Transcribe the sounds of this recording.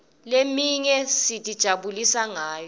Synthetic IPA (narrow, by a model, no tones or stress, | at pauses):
lemiɲɛsitʼid̥ʒ̥ʱaɓulisaŋaːjɔ